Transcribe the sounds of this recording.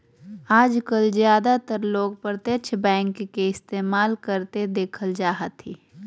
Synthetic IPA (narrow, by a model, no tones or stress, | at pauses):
aːd͡ʒkəlzjaːd̪at̪əɾloːɡpəɾt̪jət͡ʃʰbɛ̃ːŋkːeɪst̪eːmaːlkəɾt̪ed̪eːkʰəld͡ʒaːɦət̪ḭ